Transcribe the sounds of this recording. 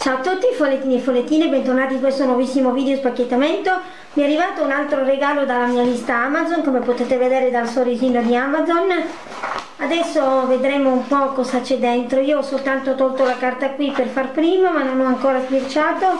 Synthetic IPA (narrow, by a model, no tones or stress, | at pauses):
t͡ʃawt̪ːut̪ːifolːet̪ːiːniefolet̪ːiːnebɛnt̪ornaːt̪ikwɛst̪onwɔvisːimoviːd̪eospakːet̪ːamɛnt̪o | miɛarːivaːt̪ounalt̪ɾoɾeɡaːlod̪alamiːalist̪aamazonkomepot̪et̪eved̪ɛːɾed̪alsoɾiziːnod̪iamazon | ad̪ɛsːoved̪ɾemoumpɔkɔzat͡ʃɛd̪ːɛnt̪ɾoiːoɔsolt̪ant̪ot̪ɔlt̪olakart̪akwiperfarpɾiːmamanːonɔaŋkoːɾazpirt͡ʃaːt̪o